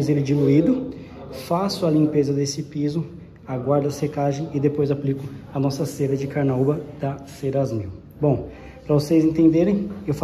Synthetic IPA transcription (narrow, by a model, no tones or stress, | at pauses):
zelɪd͡ʒiluid̪ʊ | fasʊɐlĩpezɐd̪esɪpizʊ | aɡwaɾd̪ɐsekaʒẽj̃ɪd̪epojzaplikʊɐnɔsɐseɾɐd͡ʒɪkaɾnaubɐd̪̥ɐseɾazmiw | bõw̃ | pɾɐvosejzẽnt̪ẽnd̪eɾẽj̃ewfa